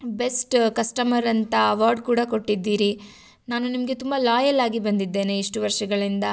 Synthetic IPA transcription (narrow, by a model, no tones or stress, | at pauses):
be̞sʈkɐsʈɐmɐɾɐnt̪ɐɐʋaːɾɖkuːɽɐko̞ʈːid̪ːiːɾi | naːnunimɐɡe̞t̪umbɐlaːjɐlaːɡibɐnd̪id̪ːe̞ːne̞iʂʈuʋɐɾʂɐɡɐɭind̪ɐ